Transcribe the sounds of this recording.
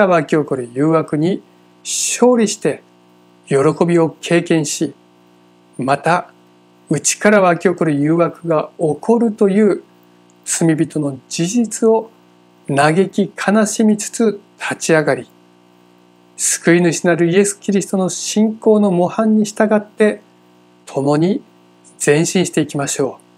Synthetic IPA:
aβakʲio̞ko̞ɾɯ̟jɯːβakɯ̟ɲ̟i | ɕo̞ːɾʲiɕi̥t̪e̞ | jo̞ɾo̞ko̞bʲio̞kʰe̞ːkẽ̞ɰ̃ɕi | mat̪a | ɯ̟t͡ɕi̥kaɾaβakʲio̞ko̞ɾɯ̟jɯːβakɯ̟ɡaokʰo̞ɾɯ̟t̪o̞jɯ̟ː | t͡sɨmʲibʲit̪o̞no̞d͡ʑiʑit͡sɨo̞ | naɡe̞kʲikʰanaɕimʲit͡sɨ̥t͡sɨt̪ʰat͡ɕiaɡaɾʲi | sɨ̥kɯ̟inɯ̟ɕinaɾɯ̟ie̞sɨ̥kʲiɾʲisɨ̥t̪o̞no̞ɕĩŋko̞ːno̞mo̞hãɲ̟ːiɕi̥t̪aɡat̪ːe̞ | t̪ʰo̞mo̞ɲ̟i | d͡z̥ẽ̞ɰ̃ɕĩɰ̃ɕi̥t̪e̞ikʲimaɕo̞ː

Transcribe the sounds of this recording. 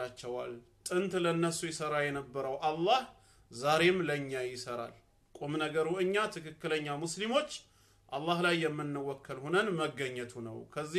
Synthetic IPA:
at͡ʃːɛwa̰lt̪ʼɨnt̪lənːəsujɪsəɾajɛnəbːəɾəwʔalːah | zaɾe̞mləɲːajɪsəɾa̰l | kʼomnəɡəɾuɨɲːat̪ʰɨkɨkːɨləɲːamuslimo̞t͡ʃː | ʔalːahlajːɛmːɨnːəwɔkːəlhonənməɡːəɲːət̪ʰunə̰wkʰəzːi

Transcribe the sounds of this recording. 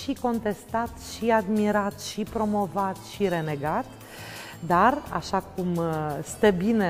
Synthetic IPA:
ʃiko̞nt̪e̞st̪at̪ʃiad̪miɾat̪ʃipɾo̞mo̞vat̪ʃiɾe̞ne̞ɡat̪ | d̪ara̰ʃakumst̪ebine

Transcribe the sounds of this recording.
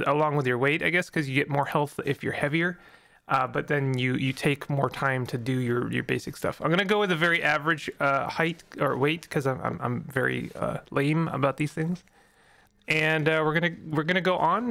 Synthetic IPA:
əlɔ̃ŋwəðjə˞weɪɾaɪɡɛskʰʌzjɨɡɛt̚mɔɹhɛlˠθɪfjə̰˞hɛviə˞ | ʔʌbʌt̪̚ðɨ̃njɨjɨtʰeɪkmɔɹtʰãɪ̃mtʰɨdɨjə˞jə̰˞beɪsɨkstʌ̰fãɪ̃mɡʌñɨɡoʊwɨðɨvɛɹiʔævə˞ɨd̥ʒ̥ʌhaɪt̚ə̰˞weɪt̚kʰʌzãɪ̃mʔã̰ɪ̃mʔã̰ɪ̃mvɛ̰ɹḭʌ̰lẽɪ̃mə̰baʊt̪̚ðiz̥θɪ̃ŋz̥ | ʔɨ̃nʌwɪɹɡʌnɨwɨɹɡʌñɨɡoʊʔə̃n

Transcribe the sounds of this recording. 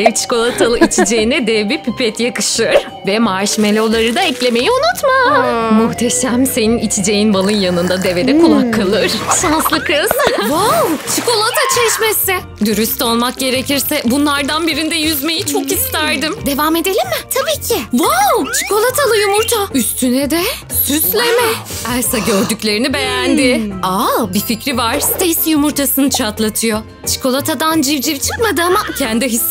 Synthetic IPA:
t͡ʃʰi̥ko̞lˠat̪ʰalˠɯit͡ʃʰid͡ʒejinɛd̪ɛbipʰypɛt̪jakɯ̥ʃɯɾ̥ | vɛmaɾʃimelʲɛolˠaɾɯd̪aɛclʲe̞me̞jiunut̪mamuxt̪ʰe̞ʃæmse̞ninit͡ʃʰid͡ʒe̞jinbalˠɯnjanɯnd̪ad̪e̞ve̞d̪ɛkʰulˠakʰːalˠɯɾ̥ʃanslˠɯkɯz̥vawt͡ʃʰiko̞lˠat̪ʰat͡ʃʰɛʃmesɪ | d̪yɾyst̪o̞lˠmak̚ɟe̞ɾeciɾsɛbunlˠaɾd̪anbiɾind̪ɛjyzme̞jit͡ʃʰo̞khist̪æɾd̪ɯmd̪e̞vame̞d̪e̞lʲimːɪt̪ʰabiːcʰɪvawt͡ʃʰi̥ko̞lˠat̪ʰalˠɯjumuɾt̪ʰayst̪ʰynɛd̪ɛ | syslʲemɛæsaɟøɾd̪ycʲlʲe̞ɾinibe̞jænd̪ɪabificɾivaɾ̥st̪ʰɛisjumuɾt̪ʰasɯnɯt͡ʃʰat̪lˠat̪ʰɯjo | t͡ʃʰi̥kʰo̞lˠat̪ʰad̪and͡ʒivd͡ʒivt͡ʃʰɯ̥kmad̪ɯamacʰænd̪ɛɦis

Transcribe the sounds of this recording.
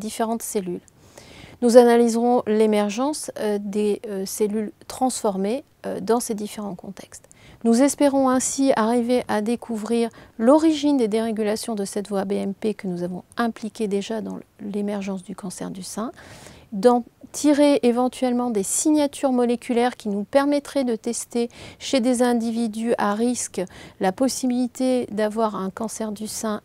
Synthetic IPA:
d̪ifeʁɑ̃t̪selyl | nuzanalizʁɔ̃lemɛʁʒɑ̃sd̪eselylt̪χɑ̃sfɔʁme | d̪ɑ̃sed̪ifeʁɑ̃kɔ̃t̪ɛkst̪ | nuzɛspeʁɔ̃ɛ̃siaʁiveʔad̪ekʰuvʁiʁlɔʁiʒind̪ed̪eʁeɡʲylasjɔ̃d̪əsɛt̪vwabeɛmpekənuzavɔ̃ɛ̃plikʲed̪eʒad̪ɑ̃lemɛʁʒɑ̃sd̪ykɑ̃sɛ̰ʁd̪ysɛ̃d̪ɑ̃t̪ʰiʁeːvɑ̃t̪ʰɥɛlmɑ̃d̪esiɲjat̪ʰyʁmɔlekʲylɛʁkʲinupɛʁmɛt̪χɛd̪ət̪ɛst̪eʃed̪ezɛ̃d̪ivid̪yaʁisklapɔsibilit̪ed̪avwaʁɛ̃kɑ̃sɛʁd̪ysɛ̃

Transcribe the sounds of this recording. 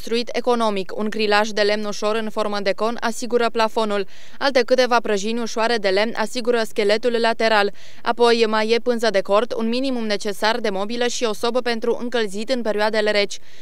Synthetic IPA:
st̪ɾuit̪ʰe̞ko̞no̞mikuŋɡɾilaʒd̪e̞le̞mnuʃo̞ɾɨnfo̞rməd̪e̞ko̞na̰siɡuɾəplafo̞nul | alt̪e̞kɨt̪e̞vapɾəʒinʲuʃoaɾe̞d̪e̞le̞mnʔa̰siɡuɾəskʲe̞le̞t̪ulːat̪e̞ɾal | a̰po̞jmaje̞pɨnzəd̪e̞ko̞rt̪ṵnminimumne̞t͡ʃe̞sard̪e̞mo̞biləʃio̞so̞bəpe̞nt̪ɾuʔɨ̰ŋkəlzit̪ɨnpe̞ɾioad̪e̞le̞ɾe̞t͡ʃʲ

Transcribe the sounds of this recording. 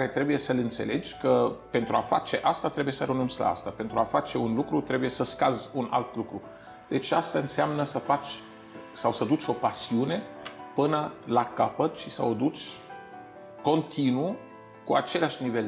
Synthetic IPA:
kaɾe̞t̪ɾe̞buje̞səlɨnt̪se̞le̞d͡ʒʲkəpe̞nt̪ɾuafa̰t͡ʃe̞ʔast̪at̪ɾe̞buje̞səɾənunt̪sla̰a̰st̪ape̞nt̪ɾuafat͡ʃe̞unlukɾut̪ɾe̞buje̞səskazuna̰lt̪lukɾu | d̪̥e̞t͡ʃast̪aɨnseamnəsəfat͡ʃʲ | sawsəd̪ut͡ʃʲo̞pasiune̞pɨnəlakapət̪ʃisəod̪ut͡ʃʲ | ko̞nt̪ʰinu | kuat͡ʃe̞leaʃʲnive̞l

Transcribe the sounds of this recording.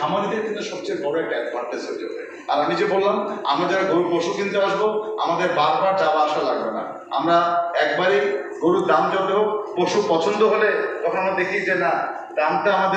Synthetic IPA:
amanid̪eɾkint̪uʃɔb̚t͡ɕejbɔɽoɛk̚ʈaɛkmaʈt̪esoɾd͡ʑo̰bḛ | a̰ɾamid͡ʑebolːama̰mɾad͡ʑaaɡoɾupoʃukint̪uaʃboa̰mad̪eɾbaɾbaɾt͡ɕabaaʃalaɡbena̰ | a̰mɾaɛkbaɾi | ɡoɾud̪amd͡ʑobeɦok̚poʃupɔt͡ɕʰond̪oɦolet̪ɔkʰonamɾad̪ekʰid͡ʑena | d̪amt̪aamad̪e

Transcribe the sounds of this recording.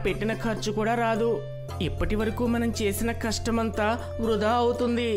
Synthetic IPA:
pe̞ʈːinɐkʰɐɾt͡ʃukuːɽaːɾaːd̪u | ipːɐʈiʋɐɾɐkuːmɐnɐmt͡ʃe̞ːsinɐkɐʂʈɐmɐnt̪aː | ʋɾud̪aːɐwut̪und̪i

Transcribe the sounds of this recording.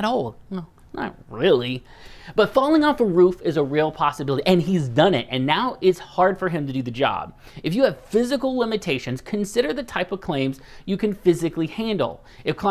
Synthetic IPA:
ɾɔlˠnoʊ | nə̰t̚ɹɪlˠi | b̥ʌtfɑlˠɪ̃ŋɔfəɹufɨzəɹilˠpʰɑsɨbɪlˠəɾiʔɨ̃nizdʌ̃nɪ̰tɨ̃nːaʊʔɪtshɑɹd̥fə˞ɨ̃mtɨdɨðɨd͡ʒɑ̰b̥ | ɨfjɨːv̥fɪzɨkl̩ˠlɪ̃mɨtʰeɪʃɨ̃nz̥kʰɨ̃nsɪɾə˞ðɨtʰaɪpʌv̥kʰl̥ẽɪ̃mz | jɨkɨ̃nfɪzɨklihæ̃ndˡl̩ˠ | ɨfkʰl̥a

